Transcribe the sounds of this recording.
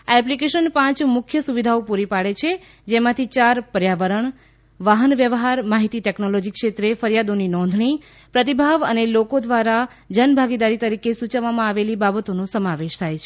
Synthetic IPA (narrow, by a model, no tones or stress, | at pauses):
aɛplikeʃənpãt͡ʃmʊkʰjəsuʋid̪ʱaopuɾipaɽet͡ʃʰe | d͡ʒemãt̪ʰit͡ʃaɾpəɾjaʋəɾəɳ | ʋaɦənʋjəʋɦaɾmaɦit̪iʈeknolod͡ʒikʃet̪ɾefəɾjad̪oninɔ̃nd̪ʱɳ̃i | pɾət̪ibʱaʋənelokod̪ʋaɾa | d͡ʒənbʱaɡid̪aɾit̪əɾikesũt͡ʃəʋːamãaʋelibabət̪onũsəmaʋeʃt̪ʰajt͡ʃʰe